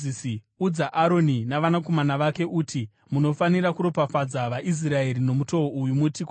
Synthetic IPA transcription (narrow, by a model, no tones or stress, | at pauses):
isi | ud͡zaʔaɾo̞ninaʋanako̞manaʋake̞ʔuːtʰi | muno̞faniɾakuɾo̞pafad͡zaʋaʔis̬rae̞ɾino̞muto̞woujumutiko